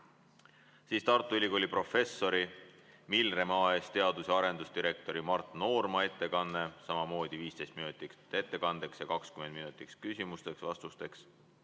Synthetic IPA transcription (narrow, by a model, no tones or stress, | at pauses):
siːst̪ɑrt̪ːˑuylʲikolʲipro̞fe̞sːo̞ɾimilre̞mɑːest̪e̞ɑd̪̥useɑɾe̞nd̪ust̪iɾe̞k̚t̪o̞ɾimɑrt̪ˑno̞ːrmɑe̞t̪ːe̞kɑnːe̞sɑmɑmo̞ːd̪̥iviːst̪e̞jst̪̚minut̪ˑikt̪ːe̞t̪ːe̞kɑnd̪̥e̞ksjɑkɑkskymend̪minut̪ˑikskysʲimust̪e̞ksvɑst̪ust̪e̞ks